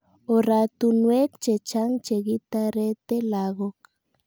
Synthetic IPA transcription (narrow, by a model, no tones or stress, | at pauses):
oɾat̪unwekt͡ʃet͡ʃaŋt͡ʃeɣit̪aɾet̪elaɣok